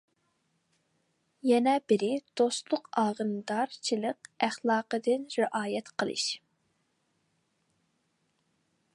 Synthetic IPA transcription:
jɛnɛbɪɾɪd̪̥ost̪lˠʊqɑːʁənd̪ɑɾt͡ʃʰilˠəqæχlˠɑːqəd̪ɨnɾɪʔɑːjɛt̪qʰəlˠɨ̰ʃ

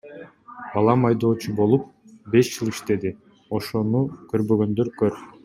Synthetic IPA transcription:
bɑlˠɑmɑjd̪o̞ːt͡ʃʰubo̞lˠup̚ | be̞ʃd͡ʒɯlˠiʃt̪e̞d̪i | o̞ʃo̞nukø̞ɾbø̞ɡø̞nd̪øɾkøɾ

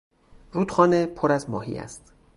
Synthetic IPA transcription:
ruːt̪xɒːnepʰoɾæzmɒːhḭːæ̰st̪

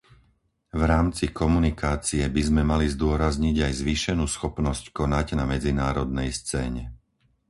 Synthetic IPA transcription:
vɾaːmt͡sikɔmunikaːt͡siɛbizmɛmalizd̪ʊɔɾazɲiɟajzʋiːʃɛnuːsxɔpnɔsckɔnaɟnamɛd͡zinaːɾɔd̪̚nɛjst͡sɛːɲɛ

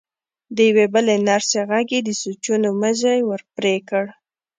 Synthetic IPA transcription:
d̪əjawebəlenaɾseɣaɡed̪əsut͡ʃunoməzajwəɾpɾekəɽ

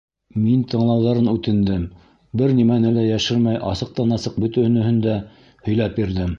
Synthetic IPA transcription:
mint̪ɤ̆ɴlˠɑwðɑɾɤnʉt̪ɘ̆nd̪ɘm | bɘɾnimænɘlæjæʃɘɾmæjʔɑsɤ̆q̚t̪ɑnɑsɤq̚bɵ̆t̪ɘ̆nɘ̆hɵnd̪æ | hɵ̆jlæpbiɾðɘm

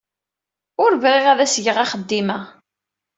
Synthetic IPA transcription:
ʊɾvʁiʁæðæsʝəʁɑχəd̪ːimæ

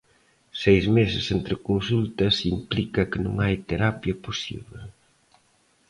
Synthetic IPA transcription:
sejzmesɪsent̪ɾɪkonsult̪ɐsimplikɐkɪnṵ̃ŋajt̪eɾapjɐposḭβle

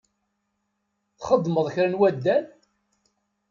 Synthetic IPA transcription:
θχəd̪ˤːməðˤçɾənwæd̪ːæn

